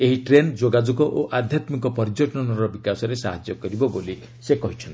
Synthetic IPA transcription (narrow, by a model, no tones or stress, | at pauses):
eɦiʈɾend͡ʒoɡad͡ʒuɡɔʔoʔad̪ʱjat̪mikɔpɔɾd͡ʒɔʈɔɔnɔɾɔbikasɔɾesaɦad͡ʒjɔkɔɾibɔboli | sekɔɦit͡ʃʰɔnt̪